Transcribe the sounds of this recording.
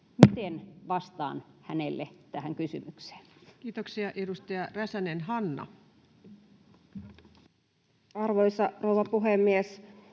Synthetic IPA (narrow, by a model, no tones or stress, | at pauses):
mit̪enʋɑst̪ɑ̰ːnhænelːḛt̪æhæŋkysymykse̥ːnkiːt̪oksiɑʔedust̪ɑjɑræsænenɦɑnːɑ̰ | ɑrʋojsɑrouʋɑpuɦemːies